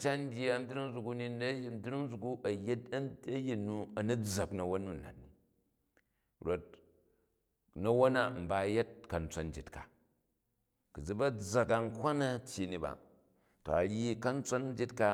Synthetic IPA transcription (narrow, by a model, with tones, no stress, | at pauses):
t͡ʃa˦n˦dʲi˦a˦˨˦n̩˦di˦ɾi˦ŋ˦zu˨ku˦ni˦n˦˨n˦dɾi˦ŋ˦zu˨ku˦ʔɐ˨je˦tɐ˦ɐ˦ji˨nːu˦ɐ˨nu˦d͡za˨knɐ˨wo˦nːu˦n̩˨a̰˨t̚ni˨ | ɾo˨t̚ | nɐ˦wo˦na˦m̩˨ba˦je˦t̚kɐ˨n̩˦t͡sʷo˦n˦d͡ʒi˨tka̰˨ | ku˨d͡zi˦bɐ˦d͡za˨ka˨ŋ̩˦kʷa˦na˦tʲji˨ni˨ba̰˨ | to̰˨ɐ˨ɾi˦kɐ˦n̩˦t͡sʷo˦n˦d͡ʒi˦tka˦